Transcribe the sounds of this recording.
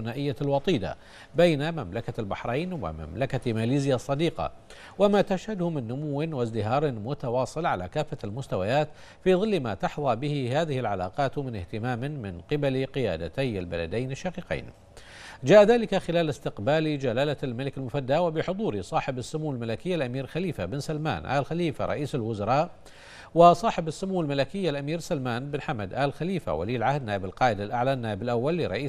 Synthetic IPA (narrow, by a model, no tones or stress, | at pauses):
naːʔɪjːalwɑt̪ˤiːd̪a̰ | bajnamamlakalbɑħɾˤɑjnwa̰ma̰mlakamaːliːzɪjasˤːɑd̪iːqɑ̰ | wamaːt̪aʃhad̪hʊmɪnːʊmʊwːɪnwazd̪ɪɦɑːɾˤmʊt̪awɑːsˤɨlʕala̰kaːfːalmʊst̪awajaːt̪ | fiːðˤɨlːma̰ːt̪ɑħðˤɑbɪhɪɦaːðɪhɪlʕala̰ːqɑːt̪mɪnɪht̪ɪmaːmmɪnqɨbalqɪja̰ːd̪a̰t̪aja̰lba̰la̰d̪ajnɪʃːaqiːqḭːn | d͡ʒaːʔaðaːlɪkaxɪlaːlɪst̪ɪqbaːld͡ʒalaːlalmalɪkalmʊfad̪ːawabɪħʊd̪ˤuːɾɪsˤɑːħɪbasːʊmuːalmalakɪjːalʔamiːɾlxaliːfabɪnsalma̰ːnʔa̰ːlxaliːfa̰ɾˤɑ̰ʔiːsalwʊzɑɾˤɑːʔ | wasˤɑːħɪbasːʊmuːalmalakɪjːalʔamiːɾsalmaːnbɪnħamad̪ʔaːlxaliːfa̰wa̰liːɪlʕahd̪naːʔɪbalqɑːʔɪd̪alʔaʕlanːaːʔɪbɪlʔawːalːɪɾˤɑ̰ʔiː